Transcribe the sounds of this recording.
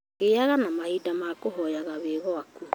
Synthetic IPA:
ɣeaɣanamahidamakoɦɔjaɣaβeɣɔaku

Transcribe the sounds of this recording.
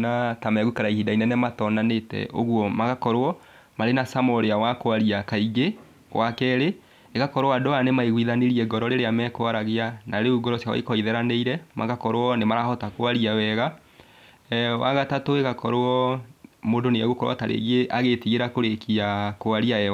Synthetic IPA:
natamɛɣukaɾaihidainɛnɛmatɔnanetɛ̰ʔo̰ɣwɔmaɣakɔɾoɔ | maɾenasamɔɾeawakoaɾiakaiɡe | ɣwakɛɾe | eɣakɔɾowadɔanemaiɣiðaneɾiɛɡɔɾɔɾeɾeamɛkoaɾaɣeanaɾeuɡɔɾɔsjawa̰ikɔiðɛɾaneiɾɛmaɣakɔɾwɔnemaɾahɔtakoaɾiawɛɣa | wa̰ɣatatoeɣakɔɾoɔ | moːdoneaɣokɔɾwa̰taɾʔḛɣeʔaɣetiɣeɾakoɾekiakoaɾiaɛa

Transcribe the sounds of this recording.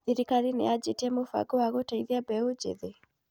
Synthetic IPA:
iɾikaɾinead͡ʒetiɛmofa̰ɡɔwaɣotaiðiabɛod͡ʒḛðe

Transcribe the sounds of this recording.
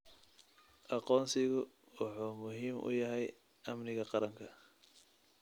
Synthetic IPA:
ʔɑqɔːnsɪɣʊ | wɑħuːmʊɦiːmʔʊ̰jɐɦɛj | ʔɐmnɪɣɐqɑɾɐŋkʰɐ

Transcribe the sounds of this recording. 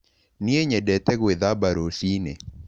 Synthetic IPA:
nieɲɛdɛtɛɣeðabaɾosinḛ

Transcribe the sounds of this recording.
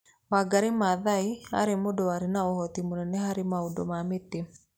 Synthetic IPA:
waɡaɾimaðaia̰ɾemodɔwaɾinaɔhɔt̪imonɛnɛhaɾimaudɔ̰mamet̪e

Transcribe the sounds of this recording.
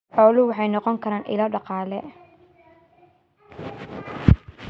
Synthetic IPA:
ħɔːlʊwɑħɑjnɔqɔŋkʰɐɾaːnʔɪ̰laːɖɑqɑːlɛ̰

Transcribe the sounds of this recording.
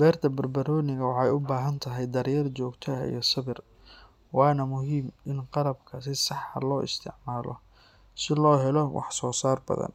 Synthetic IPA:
bɛːrt̪ʰɐbɐrbɐɾɔːnɪɣɐwɑħɑjʊbaːɦɐnt̪ʰɐɦɛjd̪ɐɾjɐrt͡ʃɔːɡt̪ʰɐḭjɞsɐβɪr | wɑːnɐmʊɦiːmʔɪnqɑlɐbkʰɐsɪsɑħɐ̰lɔːʔɪ̰st̪ʰɪ̰ʕmaːlɔ̰ | sɪlɔːɦɛlɔwɑ̰ħsɔːsaːrbɐ̰ðɐ̰n

